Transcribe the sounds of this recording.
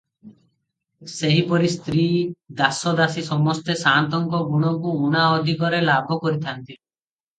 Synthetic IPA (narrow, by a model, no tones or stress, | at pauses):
seɦipɔɾist̪ɾid̪asɔd̪asisɔmɔst̪esant̪ɔŋkɔɡuɽ̃ɔkuuɽ̃aɔd̪ʱikɔɾelabʱɔkɔɾit̪ʰant̪i